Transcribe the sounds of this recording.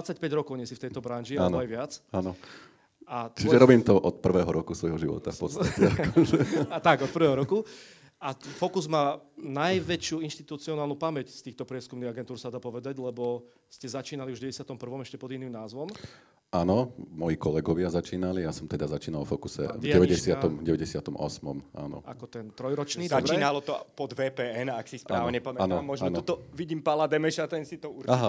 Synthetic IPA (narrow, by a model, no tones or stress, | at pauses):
at͡sːacpɛɟɾɔkɔʊɲɛsift̪ɛjt̪ɔbɾanʒiaalːnɔajʋɪat͡sanɔ | ʔat̪t͡ʃiʒɛɾɔbiːmt̪ɔʔɔt̪̚pr̩ʋɛːɦɔɾɔkusʋɔjɦɔʒiʋɔ̰t̪afpɔ̰t͡sst̪acɛa | t̪aɡɔt̪pr̩ʋɛːɦɔɾɔku | afɔkuzmaːnajʋɛt͡ʃɪuːinʃt̪it̪ut͡siɔnaːlnupamɛcst̪iːxt̪ɔpɾɪɛskumniːɣaɡɛnt̪uːɾsad̪aːpɔʋɛd̪aɟlɛbɔ | scɛzat͡ʃiːnaliuʒɟɛɛsɪat̪ɔmpr̩ʋɔmɛʃcɛpɔd̪inːiːmnaːzʋɔm | aːnɔmɔjikɔlɛɡɔʋɪazat͡ʃiːnalijasɔmt̪ɛd̪azat͡ʃiːnalˠɔfɔkusɛ̰vɛʋɛɟɛsɪaɔmɟɛʋɛɟɛsɪat̪ɔmʔɔ̰smɔmʔa̰ːnɔ̰ʔa̰kɔt̪ɛnt̪ɾɔjɾɔt͡ʃniːd̪abt͡ʃɾɛiːnalɔt̪ɔpɔd̪ʋɛːpɛːɛnaksispɾaːʋɲɪɛpɔmanɔmɔʒaɔnɔt̪ɔʋiɟiːmpalad̪ɛmɛʃat̪ɛnsit̪ɔuɾaɦa